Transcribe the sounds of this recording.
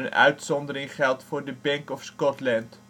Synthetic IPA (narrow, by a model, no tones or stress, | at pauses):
ənœ̰ɥtsɔndəɾɪŋχɛlˠtfʊːrdəbɛŋkɔfskɔtlɛnt